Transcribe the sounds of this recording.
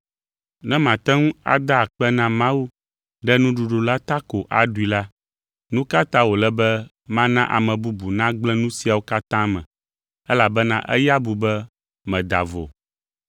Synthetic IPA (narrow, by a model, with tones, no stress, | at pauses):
nɛ̃˦mã˨t̪ɛ˦ŋũ˦a̰˦d̪a˦˨k͡pɛ˦nã˦mã˦wu˦ | ɖɛ˦nũ˦ɖu˨ɖu˨la˦t̪a˦ko˨ʔa̰˨ɖu˨˦i˨la˦ | nũ˦ka˦t̪ã˦wo˨lɛ˦bɛ˦ | mã˦nã˦ʔa̰˨mɛ̃˨bu˦bu˨nã˦ɡ͡blɛ̃˦nũ˦si˦a˨wo˦ka˦t̪ã˦mɛ̰̃˨ | ɛ˦la˨bɛ˦nã˦ʔɛ̰˦ja˦bu˨bɛ˦ | mɛ̃˨d̪a̰˨vo̰˨